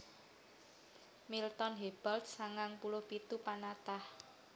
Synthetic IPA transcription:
milt̪ɔnɦeb̥ald̪saŋaŋpulʊhpit̪upanat̪ah

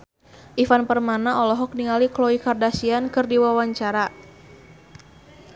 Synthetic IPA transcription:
ʔifanpərmanaɔlɔɦɔk̚niŋaliklɔikardasiankɨrdiwawaɲt͡ʃaɾa

